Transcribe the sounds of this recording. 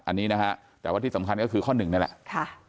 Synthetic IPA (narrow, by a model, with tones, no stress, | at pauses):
ʔa˧nːiː˦˥na˦˥kʰa˦˥ʔ | t̪ɛː˨˩wa˥˩t̪ʰiː˥˩a˩˦mkʰa˧nkɔː˥˩kʰɯː˧kʰɔː˥˩nːɯ˨˩ŋna˥˩lɛ̰˨˩ʔkʰa˥˩